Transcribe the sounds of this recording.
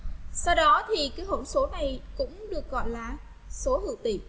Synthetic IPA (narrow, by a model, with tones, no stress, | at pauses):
sa˧wɗɔ˨˦t̪ʰi˨˩kaː˨˦jɦo̰˧˩nso˨˦na˨˩jkʊ̰˧˥ŋ͡mɗɨ˨˩ək̚ɣɔ̰˧˨jlaː˨˩ | so˨˦hɨ̰˧˨t̪ḭ˧˨